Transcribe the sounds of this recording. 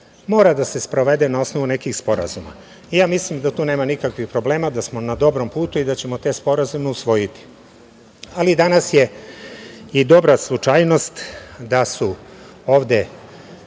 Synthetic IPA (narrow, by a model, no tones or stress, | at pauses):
mo̞ːɾad̪ase̞spɾo̞ʋe̞d̪enao̞sno̞ʋune̞kixspo̞ɾa̰zuma̰ | ijaːmislimd̪at̪uːneːmanikakʋixpɾo̞ble̞ːmad̪asmo̞nad̪o̞bɾo̞mpuːt̪uid̪at͡ɕe̞mo̞t̪eːspo̞ɾazumeusʋo̞jit̪i̥ | alid̪anasje̞ | id̪o̞bɾaslˠut͡ʃajno̞st̪d̪asuo̞ːʋd̪e̞